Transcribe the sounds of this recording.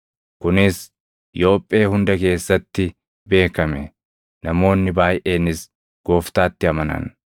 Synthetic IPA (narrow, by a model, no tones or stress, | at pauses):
kʊnɪs | ɪjo̞ːpʼːe̞ːhʊnd̪ɐke̞ːsːɐt̪ːɪ | be̞ːkɐmɛ | nɐmo̞ːnːɪbaːjʔʔeːnɪs | ɡ̥o̞ːft̪aːt̪ːɪɐmɐnɐ̰n